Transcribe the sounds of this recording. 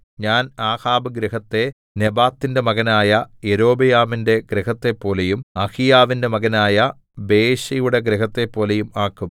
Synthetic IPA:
ɲaːnaːhaːbɐɡɾiɦɐt̪ːe̞ | nebaːt̪ːinde̞mɐɣɐnaːjɐeɾo̞ːbɐjaːʋinde̞ɡɾiɦɐt̪ːe̞pːo̞ːle̞jumɐhijaːʋinde̞mɐɡɐnaːjɐ | be̞ːɕɐjuɽe̞ɡɾiɦɐt̪ːe̞pːo̞ːlejumaːkːum

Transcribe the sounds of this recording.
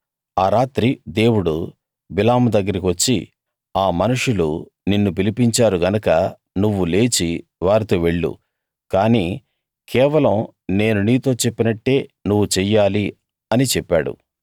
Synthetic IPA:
aːɾaːt̪ɾid̪e̞ːwuɽu | bilaːmud̪ɐɡːɐɾikiʋɐt͡ʃːḭ | aːmɐnuʂulu | ninːupilipiɲt͡ʃaːɾuɡɐnɐkɐ | nuʋːule̞ːt͡ʃiʋaːɾit̪o̞ːʋe̞ɭːṵ | kaːniː | kʰɛːʋɐlɐm | ne̞ːnuniːt̪o̞ːt͡ʃepːinɐʈːe̞ːnuʋːut͡ʃɛːjaːli | ɐnit͡ʃɛpːaːɽṵ

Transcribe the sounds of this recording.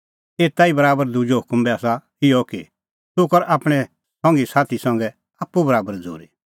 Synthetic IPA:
eːt̪aibɐɾaːbəɾd̪ud͡ʒoɦʊkmbɛaːsa | ɪjɔkḭ | t̪ʊkɔɾaːpɽ̃ɛ | sɔ̃ŋɡisaːt̪ʰisɐ̃ŋɡɛ | aːpːubɐɾaːbəɾd͡zo̰ːɾi

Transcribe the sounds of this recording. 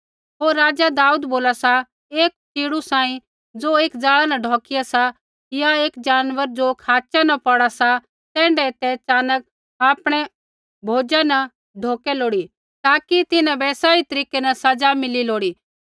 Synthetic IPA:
ɦoːɾːaːd͡ʒad̪aːuːd̪boːlasa | eːk̚t͡ʃiːɽ̃usãːĩ | d͡zoeːkd͡zaːɭanɐɖʱɔːkɪjasa | ɪjaeːkd͡ʒaːnʋəɾd͡ʒokʰaːt͡ʃanɐpɔɽasa | t̪ɛ̃ːɳɖɛt̪ɛt͡ʃaːnək̚ | aːpɽ̃ɛ | bʱoːd͡ʒanɐ | ɖʱoːkɛloːɽi | t̪aːkit̪ɪnãbɛːsaːit̪ɐɾiːkɛnɐsɐd͡ʒamɪliloːɽiː

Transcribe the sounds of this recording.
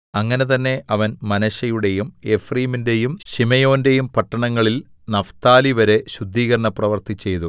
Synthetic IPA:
ɐŋːɐne̞t̪ɐnːe̞ʔɐʋɐnmɐnɐɕɐjuɽe̞jume̞friːminde̞jumɕimɐjo̞ːnde̞jumpɐʈːɐɳɐŋːɐɭil | nɐft̪aːliʋɐɾe̞ɕud̪ʱːiːɣɐɾɐɳɐprɐʋɐrt̪it͡ɕːe̞jt̪u

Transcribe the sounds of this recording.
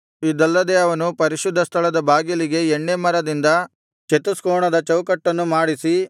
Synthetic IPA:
id̪ɐlːɐd̪eɐʋɐnupɐɾiʃud̪ʱːɐst̪ʰɐlɐd̪ɐbʱaːɡjɐliɡe̞eɳːemɐɾɐd̪ind̪ɐ | t͡ʃet̪uskoːɳɐd̪ɐt͡ʃɐwkɐʈːɐnːumaːɽisi

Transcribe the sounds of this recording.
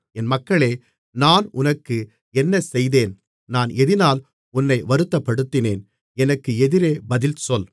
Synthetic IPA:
ɛnmɐkːɐɭeː | naːnʊnɐkːɯ | ɛnːɐsɛjðeːn | naːnɛðɪnaːl | ʊnːɐɪʋɐɾɯt̪ːɐpːɐɽɯt̪ːɪneːn | ɛnɐkːɯɛðɪɾeːbɐðɪlsɔl

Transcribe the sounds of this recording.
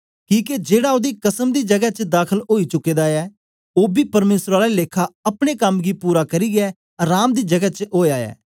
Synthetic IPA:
kĩːked͡ʒeːɽaːoːd̪iːkəsəmd̪iːd͡ʒəɡɛːt͡ʃəd̪aːkʰəloːiːt͡ʃʊkːeːd̪aːɛː | oːbiːpəɾmeːsɾaːlaileːkʰːaːəpɽ̃eːkəmɡiːpuːɾaːkəɾiːɡɛː | ɾaːmd̪iːd͡ʒəɡɛt͡ʃɦoːjaːɛ̰ː

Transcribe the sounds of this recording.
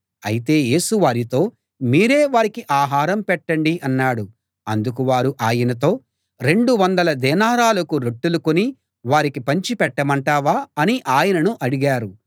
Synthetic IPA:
ɐ̰jit̪e̞ːje̞ːsuʋaːɾit̪o̞ː | miːɾe̞ːʋaːɾikiʔaːɦaːɾɐmpɛʈːɐɳɖiɐnːaːɽu | ɐnd̪ukuʋaːɾuʔaːjɐnɐt̪o̞ː | ɾe̞ɳɖuʋɐnd̪ɐlɐd̪ɛːnaːɾaːlɐkuɾeʈːulukoni | ʋaːɾikipɐɲt͡ʃipɛʈːɐmɐɳʈaːʋaːɐniʔaːjɐnɐnuʔɐɽiɡaːɾu

